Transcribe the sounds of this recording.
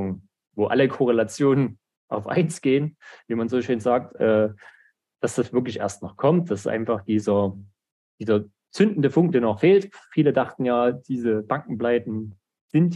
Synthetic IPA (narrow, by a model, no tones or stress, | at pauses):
ŋ | voːʔa̰ləkʰoʁ̞elat͡sjoːnən | ʔaʊfʔa̰ɪnsɡ̥eːənviːmanzoːʃøːnzaːk̚tʔɛː | d̥asd̥asv̥ɪɐklɪçʔḛːɐstnɔχkʰɔmt̚d̥asʔa̰ɪnfaχd̥iːzɐ | d̥iːzɐ | t͡sʏndn̩dəpʊŋk̚d̥eːɐnɔχfeːltfiːlədaχtn̩jaːd̥iːzəb̥aŋkŋ̩plaɪtn̩ | z̥ɪnt